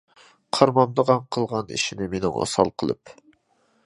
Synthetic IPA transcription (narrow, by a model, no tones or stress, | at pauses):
qʰɑɾmɑmd̪əʁɑɴqʰəlˠʁɑnḭʃinɪmenɪŋo̰sɑ̰lˠqʰəlˠɨ̰p